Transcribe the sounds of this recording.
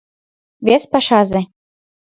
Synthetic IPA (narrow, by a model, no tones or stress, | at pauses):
βʲespɑʃɑzĕ